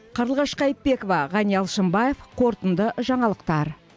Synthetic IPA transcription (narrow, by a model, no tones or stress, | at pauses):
qʰəɾəlˠʁɑʃqɑjəp̚be̞kovɑʁɑnijɑlˠʃəmbɑje̞fqʰo̞ɾt̪ənd̪əʒɑɴɑlˠəqt̪ɑɾ